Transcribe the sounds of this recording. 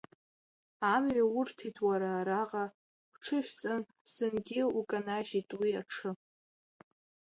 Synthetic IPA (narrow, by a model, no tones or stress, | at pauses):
amɥaʊrtʰitʰʼwaɾaːɾaqʼa | ʈ͡ʂʰɨʃᶣʷt͡sʼan | sɨnɡʲɪukʼanaʒitʼwiaʈ͡ʂʰɨ